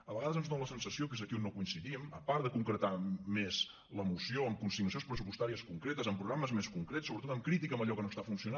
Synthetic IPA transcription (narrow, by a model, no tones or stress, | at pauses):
əβəɣaðəzənzðonləsənsəsijokezəkionːokuinsiðiməpaɾðəkuŋkɾət̪amez | ləmusioəmkunsiɣnusionspɾəsupust̪aɾiəskuŋkɾet̪əzəmpɾuɣɾaməzmeskuŋkɾesoβət̪ot̪əmkɾit̪ikəmbəʎɔkənost̪afunsiuna